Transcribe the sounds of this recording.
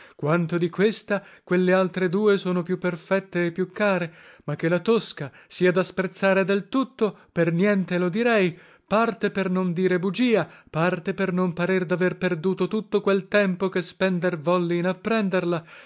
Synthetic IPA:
kwant̪od̪ikwest̪akwelːealt̪ɾed̪uːesoːnopjupːerfɛt̪ːeːpːjukʰːaːɾemakːelat̪oskasiːad̪aspɾet̪sːaːɾed̪elt̪ut̪ːopernjɛnt̪elod̪iɾɛj | part̪epernond̪iːɾebud͡ʒiːapart̪epernompaɾerd̪averperd̪uːt̪ot̪ut̪ːokwelt̪ɛmpokespɛnd̪ervɔlːiːnapːɾɛnd̪erla

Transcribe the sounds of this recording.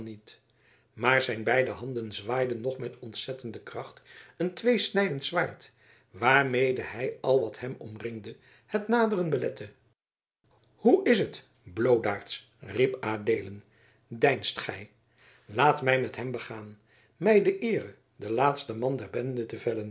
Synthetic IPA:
nit | maːɹzɛjnbɛjdəɦɑndənzʋaːjdənːɔχmɛtɔntsɛtəndəkrɑχtəntʋejsnɛjdəntsʋaːɹt | ʋaːɹmejdəhɛjɑlˠʋɑthɛmɔ̰mrɪŋdə | hətnaːdərənbəlɛtə | huɪsət | blowdaːɹts | ripaːdejlən | dɛjnstχɛj | laːtmɛjmɛtɦɛmbəχaːn | mɛjdəʔɪːrə | dəlaːtstəmɑndɛɹbɛndətəvɛlən

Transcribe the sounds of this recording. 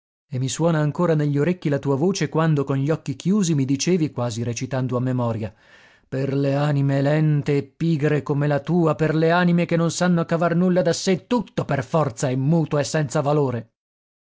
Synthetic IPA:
emːiswɔːnaːŋkoːɾaneʎːoɾekːilat̪uːavoːt͡ʃekwand̪okonʎiɔkːikjuːzimid̪it͡ʃeːvikwaːziɾet͡ʃit̪and̪oamːemɔːɾja | perleaːnimelɛnt̪eːpːiːɡɾekomelat̪uːaperleaːnimekenːonsanːoakːavarnulːad̪asːet̪ːut̪ːoperfɔrt̪saemːuːt̪aesːɛnt̪savaloːɾe

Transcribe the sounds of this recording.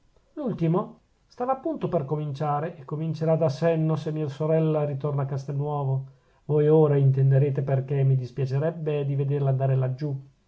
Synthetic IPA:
lult̪imo | st̪aːvaːpːunt̪operkomint͡ʃaːɾeʔekːomint͡ʃeɾad̪asɛnːosemːiːasoɾɛlːaɾit̪ornaːkːast̪enːwɔːvo | vojoːɾaint̪end̪eɾeːt̪eperkemːid̪ispjat͡ʃeɾɛbːed̪ived̪erland̪aːɾelad͡ʒːu

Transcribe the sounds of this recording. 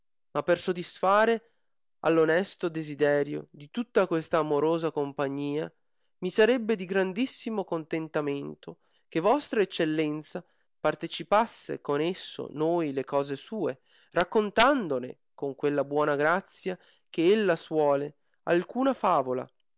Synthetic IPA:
mapːersod̪isfaːɾe | a̰lːonɛst̪od̪ezid̪ɛːɾjo̰d̪it̪ut̪ːakwest̪aːmoɾoːzakompaɲːiːa̰ | misaɾɛbːed̪iɡɾand̪isːimokont̪ent̪ament̪o | kevːɔst̪ɾaet͡ʃːelːɛnt̪sa | part̪et͡ʃipasːḛkonesːo̰nojlekɔːzesuːe | rakːont̪and̪onḛ | koŋkwelːabwɔːnaɡɾat̪sːja | keelːaswɔːle | alkuːnafaːvola̰

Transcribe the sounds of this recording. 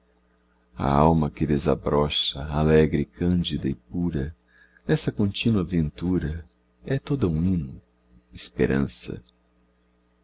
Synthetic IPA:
ɐ̰awmɐkɪd̪eza̰bɾɔʃɐalɛɡɾɪkʰɐ̃nd͡ʒid̪ɐɪpuɾɐ | nɛsɐkõnt͡ʃĩnuɐavẽnt̪uɾɐ | ɛt̪od̪ɐũĩnʊ | espeɾɐ̰̃sɐ̰

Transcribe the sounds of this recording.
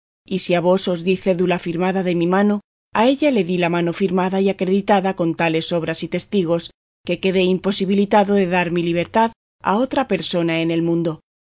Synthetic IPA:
isiaβ̞o̞so̞zðiθe̞ðulafiɾmaðaðe̞mimãno̞ | ae̞ʎale̞ðilamãno̞fiɾmaðaiakɾe̞ðit̪aðako̞nt̪ale̞so̞β̞ɾasit̪e̞st̪iɣ̞o̞s | ke̞ke̞ðe̞impo̞siβilit̪aðo̞ðe̞ðaɾmiliβ̞e̞ɾt̪að | a̰o̞t̪ɾape̞ɾso̞nae̞ne̞lmũnd̪o̞

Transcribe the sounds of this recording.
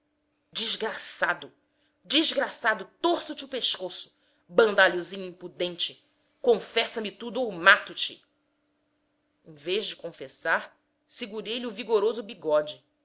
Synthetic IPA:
d͡ʒiʒɡɾasad̪ʊ | d͡ʒiʒɡɾasad̪ʊt̪oɾsʊt͡ʃɪʊpeʃkosʊ̥ | bɐ̃nd̪aʎuzĩɲʊĩmpud̪ẽnt͡ʃɪ | kõfɛsɐmit̪ud̪ʊːmat̪ʊt͡ʃɪ | ẽveʒd͡ʒɪkõfesaɾ | siɡuɾejliʊviɡoɾozʊbiɡɔd͡ʒɪ

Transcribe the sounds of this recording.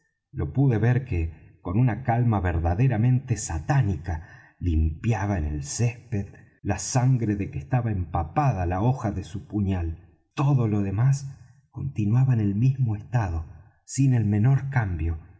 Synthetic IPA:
lo̞puðe̞βeɾkeko̞nunakalmaβeɾðaðeɾamẽ̞nt̪e̞sat̪anika | limpjaβaenelsespeð | lasaŋɡɾe̞ðekest̪aβaempapaðalaoxaðesupuɲal | t̪o̞ðo̞lo̞ðe̞mas | ko̞nt̪inwaβaene̞lmizmoest̪aðo̞ | sine̞lme̞no̞ɾkambjo̞

